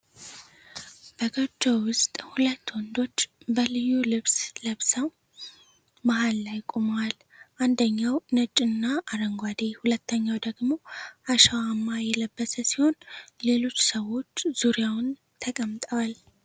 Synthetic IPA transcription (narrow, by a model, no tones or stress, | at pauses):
b̥əɡəd͡ʒːowʊst̪ʼhulət̪ːwɔnd̪o̞t͡ʃːbəlɨjːulɨβsləβsəw | maɦalːajkʼomwal | ʔand̪əɲːawnət͡ʃʼːɨnːaʔaɾəŋɡʷad̪ehulət̪ʰːəɲːawd̪əɡmo̞ʔaʃawamːajɛləbːəsəsiho̞nle̞lo̞t͡ʃːsəwo̞t͡ʃːz̥uɾjawn | t̪ʰəkʼəmt̪ʼəwal